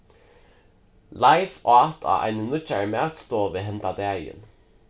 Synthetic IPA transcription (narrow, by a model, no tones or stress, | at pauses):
lajfat̪ʰa̰a̰jnənʊt͡ʃːaɹəmaːt̪st̪oːʋɪɦɛnt̪ad̪æːjɪ̰n